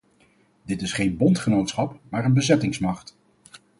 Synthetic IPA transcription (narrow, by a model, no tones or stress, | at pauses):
dɪtɪsχejnbɔntχənowtsχɑpmaːɹənbəzɛtɪŋsmɑχt